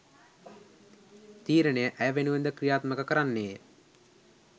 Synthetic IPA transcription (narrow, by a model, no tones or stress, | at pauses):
t̪iːɾənəjəʔæjəʋenuʋend̪əkɾijaːt̪məkəkəɾanːeː